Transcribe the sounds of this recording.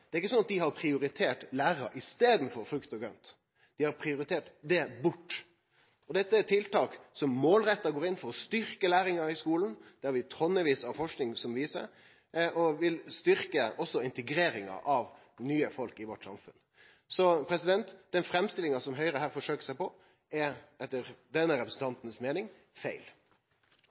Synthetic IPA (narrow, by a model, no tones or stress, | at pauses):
d̪̥ɛæɾɪkːəsɔnɑt̪̚d̪ɪhɑɾpʰɾɪʊɾɪt̪ʰeːʈlæːɾɑ̰ɾʔɪst̪eːd̪n̩fɔɾfɾʉkt̪ɔɡœ̰nt̪ | d̪̥ɪhɑɾpʰɾɪʊɾɪt̪ʰeːʈd̪ɛbʊʈː | ɔd̪ɛt̪ːət̪ʰɪlt̪ɑːksɔmːoːlɾɛt̪ːɑɡoːɾɪnfɔɾɔst̪ʏɾkəlæːɾɪŋɑɪskuːlnd̪̥ɛhɑɾʋɪt̪ʰɔnːəʋiːsɑʋfɔʂknɪŋsɔmʋiːsə̰ɾ | ɔʋɪlst̪ʏɾkəɔsːɔɪnt̪əɡɾeːɾɪŋɑ̰ʔɑʋ | nyːəfɔlkɪʋɔʈːsɑ̰mfʉ̰n | sɔpʰɾɛsɪd̪ɛnt̪d̪ɛnfɾɛmst̪ɪlɪŋɑsɔmɦœʏɾəɦæːɾfɔʂøːkə̥sæɪpɔ | ɛɛt̪ːəɾd̪ɛnːəɾɛpɾəsn̩t̪ʰɑnt̪nsmeːnɪŋ | fæɪl